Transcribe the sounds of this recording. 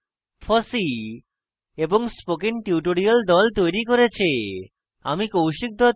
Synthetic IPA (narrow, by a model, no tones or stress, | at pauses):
fʰɔsi | eboŋspokiŋʈiuʈ̬oɽiald̪ɔlt̪ojɾikoɾet͡ɕʰi | a̰mikowʃik̚d̪ʱɔ